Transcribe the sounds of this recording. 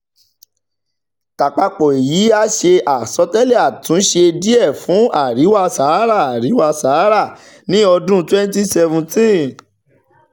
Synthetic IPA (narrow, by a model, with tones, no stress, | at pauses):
ta˨k͡pa˧k͡pɔ˨e˨ji˨˦a˧ʃe˧ʔa˨sɔ˨˧tɛ˦lɛ˦˨a˨tũ˨˦ʃe˧di˦ɛ˦˨fũ˨˦a˦˨ɾi˨˦wa˧sa˨˦ɾa˦˨a˨ɾi˨˦wa˧sa˨˦ɾa˦˨ | nĩ˦ɔ˧dũ˦twɛ̃˦n˦ti˦sɛ˧vũ˧tĩ˦˨